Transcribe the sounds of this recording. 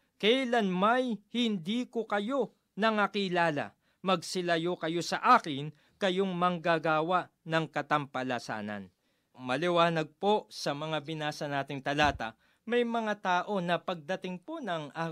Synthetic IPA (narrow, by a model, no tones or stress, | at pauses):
kɛlanmɐjhɪnd̪iːkokɐjo̞ | nɐŋakɪlaːlɐ̰ | mɐɡ̚sɪlɐjo̞kɐjo̞sɐʔaːkɪn | kɐjo̞ŋmɐŋɡaɡaːwɐʔ | nɐŋkɐt̪ɐmpɐlɐsa̰ːnɐ̰n | mɐlɪwaːnɐɡ̚po̞sɐmɐŋabɪnaːsɐnaːt̪ɪŋt̪ɐlaːt̪ɐ̰ | mɐjmɐŋat̪aːʔo̞nɐpɐɡ̚d̪ɐt̪ɪŋpo̞nɐŋaː